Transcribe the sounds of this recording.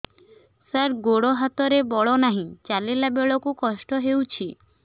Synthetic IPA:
saɾɡoɽoɦat̪ɔɾebɔɭɔnaɦĩt͡ʃalilabeɭɔkukɔsʈɔɦewt͡ʃʰi

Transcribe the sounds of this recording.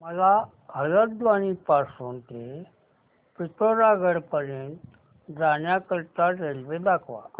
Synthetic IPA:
məla | ɦələd̪ʋañipasuːnt̪e | pit̪oɾaɡəɽpəɾẽːn | d͡zanjakəɾt̪aɾelʋed̪akʰʋa̰

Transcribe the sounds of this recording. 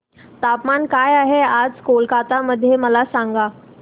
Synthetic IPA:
t̪apmankajaɦead͡zkolkat̪aməd̪ʱːjeməlasãŋɡa

